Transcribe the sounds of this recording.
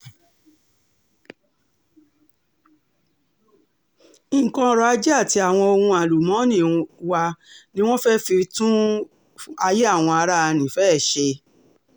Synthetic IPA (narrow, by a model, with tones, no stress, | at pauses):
kɔ̃˧ɾɔ˧a˧˦d͡ʒɛ˦a˦˨ti˧a˨w̃ɔ̃˧o˧hũ˧a˨lu˨mɔ̃˨˦nĩ˦˨wa˧nĩ˦w̃ɔ̃˦fɛ˦fi˧ɾtũ˦ | a˧je˦a˦˨w̃ɔ̃˧a˧ɾa˦˧nĩ˨fɛ˦˨ʃe˧